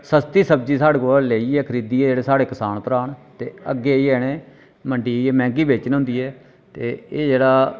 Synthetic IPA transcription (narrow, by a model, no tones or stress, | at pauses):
səst̪iːsəbd͡ʒiːsaːɽeːkoːleːiːɛːkʰəɾiːd̪iːɛːd͡ʒeːɽeːsaːɽeːkəsaːnpəɾaːɳt̪eːəɡːeːiːɛːɽeː | məɳɖiːiɛːmɛ̃ːŋɡiːbeːt͡ʃnɦʊ̃nd̪iːɛː | t̪eːeːd͡ʒeːɽaː